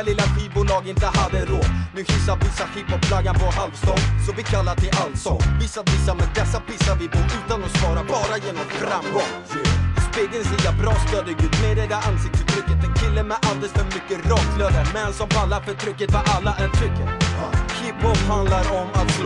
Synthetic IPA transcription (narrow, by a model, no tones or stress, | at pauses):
lɪlːaɧiːbuːlɑːɡɪnt̪əhad̪ːəɾoːd̪nʉhɪsːavisahɪphɔp̚pʰːlaɡːanpɔhalvst̪ɑnsɔvɪkʰalːaʈ̪ɪʔalt̪sɔvɪsːapʰɪsːamɛd̪ɛsːapɪsavɪbuʉ̟ːt̪anɔspɑːɾabɑːɾajeːnɔmfɾamɡɔŋ | speːɡənsijabɾɑːst̪øːd̪əɡʉ̟ːd̪mɛd̪ɛd̪æansɪk̚t̪ət̪ʰɾʏkːət̪ɛnkʰɪlːəmɛʔald̪ɛlsfœɾmʏkːəɾɑːkʰlɪaɾəmɛnsɔmpʰalːafœʈʰɾʏkːət̪vaʔalːaʔæʈʰɾʏkːət̪hɪphɔphand̪laɾɔmat̪